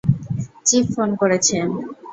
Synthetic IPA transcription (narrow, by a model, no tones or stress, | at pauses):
t͡ɕifːonkoɾet͡ɕʰen